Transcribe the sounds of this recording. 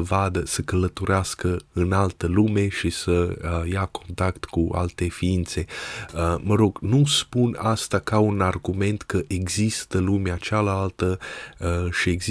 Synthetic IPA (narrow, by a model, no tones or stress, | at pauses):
əvad̪əsəkələt̪oɾeaskəɨnalt̪əlume̞ʃisəjakʰo̞nt̪akt̪kua̰lt̪e̞fiint̪se̞əməɾo̞ɡnuspunast̪akaunarɡume̞nt̪kəʔeɡzist̪əlumeat͡ʃalalt̪ə | ʃie̞ɡz